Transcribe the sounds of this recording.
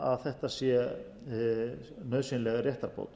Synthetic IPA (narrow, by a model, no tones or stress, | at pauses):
aðθɛht̪asjɛ | nœðsinlɛɣrjɛht̪aɾpo̰wt̪